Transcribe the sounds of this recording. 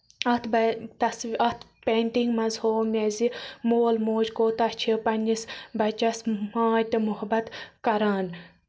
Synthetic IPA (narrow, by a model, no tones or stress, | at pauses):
ɐt̪ʰbt̪ɐsɐt̪ʰ | peːnʈ̪iŋɡmɐzhoːmʲezimoːlmoːd͡ʒkoːt̪ɐht͡ʃʰipɐnʲd͡ʒisbɐt͡ʃɐsmaːd͡ʒt̪ɨmʊɦbɐt̪kɐɾaːn